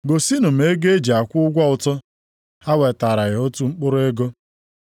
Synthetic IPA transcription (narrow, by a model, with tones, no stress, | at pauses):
ɡo˨si˦nʊ˨m̩˦e˦ɡe˦e˦d͡ʒi˨a˨kʷʊ˦ʊ˦ɡʷa˦ʊ˨tɔ˦ | ha˦we˨ta˨ɾa˨ɣɪ˨o˦tu˦ŋ͡m̩˦k͡pʊ˦ɾʊ˦e˦ɡo˦